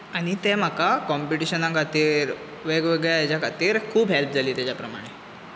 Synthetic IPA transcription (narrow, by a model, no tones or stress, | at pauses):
aɽ̃it̪em̤əkakɔmpiʈiɕənãŋkat̪iːɾ | ʋeɡʋeɡɭjajat͡ɕakat̪iːɾkʰuːbɦelp̚d͡zʱaliːt̪jat͡ɕapɾəma̰ɽ̃e